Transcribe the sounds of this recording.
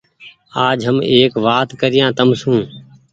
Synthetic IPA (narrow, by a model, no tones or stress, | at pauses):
aːd͡ʒɦəmeːkʋaːt̪kəɾɪjãːt̪əmsũː